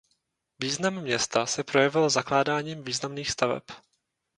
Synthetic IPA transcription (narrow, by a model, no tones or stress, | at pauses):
viːznamːɲɛst̪asɛpɾo̞jɛvɪlzaklaːdaːɲiːmviːznamniːxst̪avɛ̰p